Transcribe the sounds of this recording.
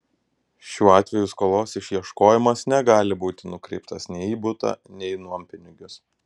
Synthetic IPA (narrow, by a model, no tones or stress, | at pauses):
ʃʲuːɑːt̪ʲʋʲɛjuːˑskoːlˠoːsɪʃʲjiɛʃkoːjɪmɐsnʲɛɡɑːlʲɪbuːt̪ʲɪnʊkɾʲɛɪpt̪ɐsnʲɛɪiːbʊt̪ɑ̰ːnʲɛɪnumʲpʲɪnʲɪɡʲʊs